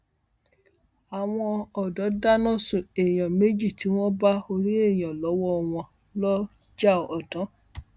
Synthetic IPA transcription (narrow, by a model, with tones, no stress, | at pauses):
a˨w̃ɔ̃˧ɔ˨dɔ˨˦da˦nɔ̃˦su˨e˨j̃ɔ̃˨me˦d͡ʒi˦˨ti˨˦w̃ɔ̃˦ba˦o˧ɾi˦e˦˨jɔ̃˨lɔ˨˦wɔ˦˧w̃ɔ̃˧ | lɔ˦ | d͡ʒa˦˨ɔ˨tɔ̃˨˦